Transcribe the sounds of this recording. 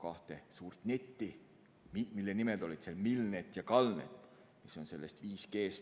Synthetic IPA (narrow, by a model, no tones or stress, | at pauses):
kɑht̪e̞suːrt̪net̪ːi | mimilːenimeld̪̥o̞lid̪̥selmilnet̪ːˑjɑkɑlnḛt̪ː | miso̞nse̞lːe̞st̪viːske̞ːs